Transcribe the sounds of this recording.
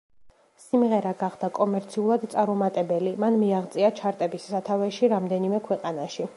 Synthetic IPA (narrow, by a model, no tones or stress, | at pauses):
simʁɛɾaɡaχd̪akʼɔmɛɾt̪sʰiulˠad̪t̪sʼaɾumat̪ʼɛbɛlimanmiaʁt̪sʼiat͡ʃʰaɾt̪ʼɛbisːat̪ʰavɛʃiɾamd̪ɛnimɛkʰwɛqʼanaʃi